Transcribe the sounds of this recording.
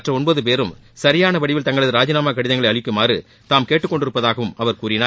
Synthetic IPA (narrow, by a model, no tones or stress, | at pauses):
ɐʈrɐɔɳboːðɯpeːɾɯmsɐɾɪjaːnɐʋɐɽɪʋɪlt̪ɐŋɡɐɭɐðɯɾaːd͡ʒɪnaːmaːkɐɽɪðɐŋɡɐɭɐɪɐɭɪkːɯmaːrɯ | t̪aːmkeːʈːɯkːɔɳɖɪɾɯpːɐðaːɣɐʋɯmɐʋɐɾkuːɾɪnaː